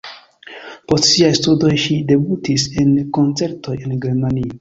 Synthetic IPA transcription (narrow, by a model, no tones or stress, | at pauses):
po̞stsiajstudo̞jʃide̞butise̞nko̞nt͡se̞ɾto̞je̞nɡe̞ɾmanio